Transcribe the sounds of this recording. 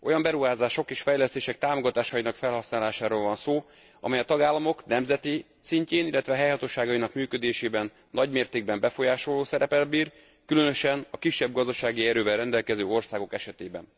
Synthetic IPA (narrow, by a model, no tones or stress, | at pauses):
o̞̰jɒmbɛɾuɦaːzaːʃo̞keːʃfɛjlɛst̪eːʃɛk̚t̪aːmoɡɒt̪aːʃɒjinɒkfɛlɦɒsnaːlaːʃaːɾoːlvɒnsoː | ɒ̰mɛjɒt̪ɒɡaːlːɒmo̞knɛmzɛt̪i | siɲceːnilːɛt̪ʋɛɦɛjhɒt̪oːʃaːɡɒjinɒkmyːkød̪eːʃeːbɛnːɒɟmeːrt̪eːɡ̚bɛmbɛfo̞jaːʃo̞lːoːsɛɾɛpɛlbiːr | kylønø̞ʃɛnɒkiʃːɛbɡɒzd̪ɒʃaːɡiɛɾøːvɛlrɛnd̪ɛlkɛzøːo̞rsaːɡo̞kɛʃɛt̪eːbɛ̰n